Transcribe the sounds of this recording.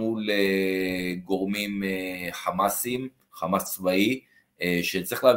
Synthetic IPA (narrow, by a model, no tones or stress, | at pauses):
ule | ɡo̞ʁmimeχamasim | χamast͡svai | ʃet͡saʁi̥χleav